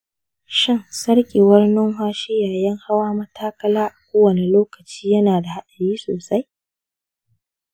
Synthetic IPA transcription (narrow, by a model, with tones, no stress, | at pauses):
ʃɪ˦nsɐ˦ɽkʲʼiː˨wɐ˦rnɪ˦ŋɦaː˦ʃɪ˦jaː˨jɐ˦ŋha˦waː˦mɐ˦tʰaː˦kɐ˦laː˦ʔa˨kʷoː˦wɐ˨ne˨loː˦kɐ˨t͡ʃiː˦jɐ˦naː˨da˨ha˦ɗɐ˨ɽiː˦soː˨sa˦j